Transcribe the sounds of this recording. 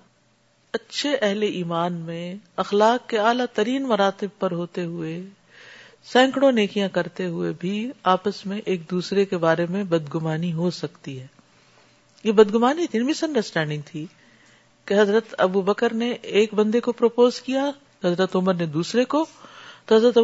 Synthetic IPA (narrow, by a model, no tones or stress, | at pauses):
ɐtːʃʰeʔɛɦleʔiːmaːnmẽɐxlaːkːeaːlat̪ɐɾiːnmɐɾaːt̪ɪb̚pɐɾɦoːt̪eɦʊe | sɛ̃ːŋkɽõneːkijãkɐɾt̪eɦʊebʱiaːpəsmẽʔeːk̚d̪uːsɾekebaːɾemẽbɐd̪ɡʊmaːniɦosɐkt̪iɦɛː | jebɐd̪ɡʊmaːnit̪ʰinbisɐ̃ɳɖəɾsʈɛ̃ːɳɖɪ̃ŋɡ̚t̪ʰi | keɦɐzɾət̪ɐ̰bubɐkəɾneeːkbɐ̃nd̪ekopɾoːpoːzkija | ɦɐzɾət̪ʊməɾned̪uːsɾekot̪oɦɐzɾət̪ɐ